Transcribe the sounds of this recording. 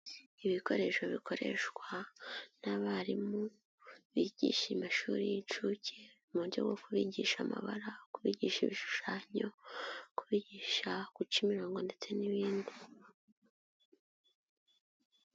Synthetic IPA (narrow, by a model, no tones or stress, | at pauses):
iβiko̞ɾe̞ʃo̞βikʰo̞ɾe̞̰ʃkwanaβaɾimu | βiɟ̥ḭʃimaʃuːɾijit͡ʃucʰe | muɾjo̞̰ɡo̞kuβiɟiʃama̰βa̰ɾakuβiɟiːʃiβiʃu̥ʃaːɲo̞kuβiɟiːʃakut͡ʃimiɾo̞ːŋɡo̞nde̞t͡se̞niβiːndi